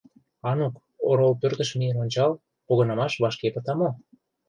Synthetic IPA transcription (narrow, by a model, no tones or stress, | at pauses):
ɑnuk | oɾolpørt̪ə̆ʃmijənonʲt͡ɕɑl | poɣɤ̆nɑmɑʃβɑʃkepə̆t̪ɑmo